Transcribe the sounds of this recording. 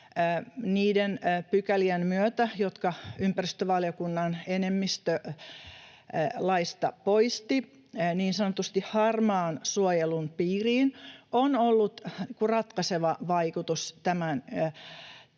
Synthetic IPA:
niːdenpykæliænmyøt̪æjot̪kɑympærist̪øʋɑljokunːɑnenemːist̪ø | lɑist̪ɑpoist̪i | niːnsɑnot̪ust̪ihhɑrmɑːnsuojelunpiːriːnonolːut̪kurɑt̪kɑseʋɑʋɑikut̪ust̪æmæn

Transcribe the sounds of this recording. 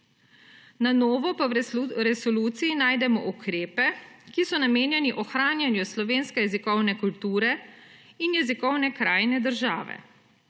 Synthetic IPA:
nanɔːʋɔpaɾɛsɔluːt̪siinaːjd̪ɛmɔ̰ʔukʰɾeːpɛkisɔnameːnjɛniʔɔxɾaːnjanjuslɔʋeːnskɛjɛzikɔwnɛkult̪uːɾɛ | injɛzikɔwnɛkɾaːjnɛd̪əɾʒaːʋɛ̰

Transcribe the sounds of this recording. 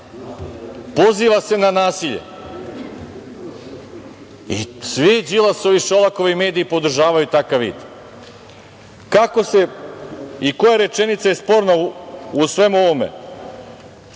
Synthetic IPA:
po̞ziːʋase̞nanaːsiʎḛ | isʋid͡ʑilˠaso̞ʋiʃolˠakoʋaime̞ːd̪iːpo̞d̪̩ʒaːʋajut̪akaʋʋḭːd̪ | kako̞se̞ | iko̞jaɾe̞t͡ʃe̞nit̪sajespo̞ɾnausʋe̞muo̞ʋo̞mḛ

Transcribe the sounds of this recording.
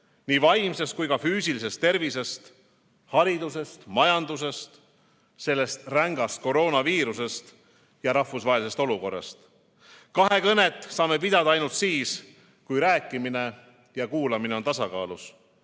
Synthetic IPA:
niːvɑjmse̞st̪̚kujkɑfyːsilise̞st̪ːe̞rvise̞st̪ | hɑɾid̪use̞st̪mɑjɑnd̪us̬e̞st̪ | se̞lːe̞st̪ræŋɡ̥ɑst̪̚ko̞ɾo̞ːnɑviːɾuse̞st̪ | jɑɾɑhfusvɑɦelise̞st̪o̞luko̞rːɑ̰st̪ | kɑɦe̞kɤne̞t̪ːˑsɑːme̞pid̪ɑd̪ɑɑjnult̪siːs | kujɾæːkːˑimine̞ | jɑkuːlɑmine̞o̞nt̪ɑsɑkɑ̰ːlus

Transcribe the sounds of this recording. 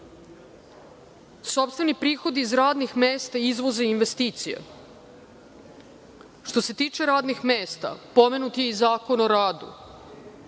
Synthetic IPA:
so̞pst̪ve̞nipɾiːxo̞d̪iːzɾaːd̪nixmeːst̪aizʋo̞zeiinʋest̪iːt̪sijḛ | ʃt̪o̞se̞t̪iːt͡ʃe̞ɾaːd̪nixmeːst̪a̰po̞me̞nut̪jeizaːko̞noɾaːd̪ṵ

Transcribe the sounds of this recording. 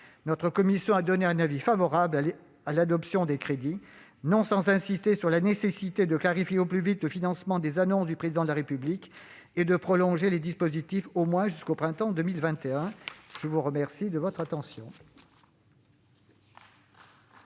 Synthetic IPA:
nɔt̪χəkɔmisjɔ̃ad̪ɔneɛ̃navifavɔʁabl | alad̪ɔpsjɔ̃d̪ekχed̪i | nɔ̃sɑ̃zɛ̃sist̪esyʁlanesesit̪ed̪əklaʁifjeoplyvit̪ləfinɑ̃smɑ̃d̪ezanɔ̃sd̪ypχezid̪ɑ̃d̪əlaʁepyblik | ed̪əpχɔlɔ̃ʒeled̪ispozit̪ifomwɛ̃ʒyskopχɛ̃t̪ɑ̃d̪ømilvɛ̃t̪eɛ̃ʒ̥əvuʁəmɛʁsid̪əvɔt̪χat̪ɑ̃sjɔ̃

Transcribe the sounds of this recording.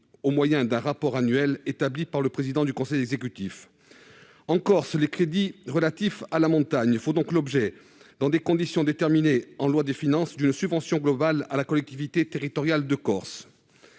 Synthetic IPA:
omwajɛ̃d̪ɛ̃ʁapɔʁanɥɛlet̪ablipaʁləpχezid̪ɑ̃d̪ykɔ̃sɛjɛɡzekʲyt̪if | ɑ̃kɔʁslekχed̪iʁəlat̪ifalamɔ̃t̪aɲfod̪ɔ̃klɔbʒɛ | d̪̥ɑ̃d̪ekɔ̃d̪isjɔ̃d̪et̪ɛʁmineɑ̃lwad̪əfinɑ̃sd̪ynsybvɑ̃sjɔ̃ɡlɔbalalakɔlɛk̚t̪ivit̪et̪eʁit̪ɔʁjald̪əkɔʁs

